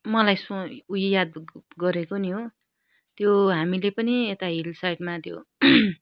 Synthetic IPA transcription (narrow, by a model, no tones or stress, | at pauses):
mʌlajsoujjad̪ɡʌɾekoniɦo | t̪joɦamilepʌniet̪aɦilsajʈmat̪jo̰